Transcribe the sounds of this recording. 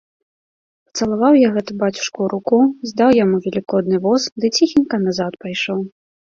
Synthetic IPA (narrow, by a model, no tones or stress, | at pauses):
pɐt̪sɐlˠavawjaɣɛt̪ubat͡sʲu̥ʂkuɾukuzd̪awjamuvʲɛlʲikɔd̪nɨvɔsd̪ɨt͡sʲixʲinʲkɐnazat̪pajʂɔw